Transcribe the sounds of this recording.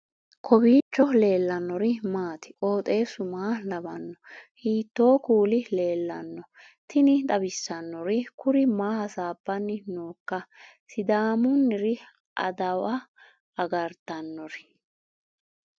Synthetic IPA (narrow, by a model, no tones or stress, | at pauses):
kʰɔbiːt͡ʃːɔle̞ːlːɐnːɔɾɪmaːt̪ɪ̥kʼo̞ːt̪ʼe̞ːsʊmaːlɐbɐnːɔhiːt̪ːo̞ːkuːlɪle̞ːlːɐ̰nːɔ | t̪ɪnɪt̪ʼɐbɪsːɐnːɔɾɪkʊɾɪmaːhɐsaːbːɐnːɪnoːkːɐ | sɪd̪aːmʊnːɪɾɪ | ʔɐ̰d̪ɐwɐ | ɐɡɐɾt̪ːɐnːɔɾɪ̥